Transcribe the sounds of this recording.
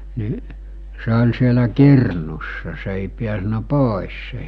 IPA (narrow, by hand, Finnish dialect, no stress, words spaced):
ni se ol sielæ kirnusːɑ se eˑi piæsnæ poˑis se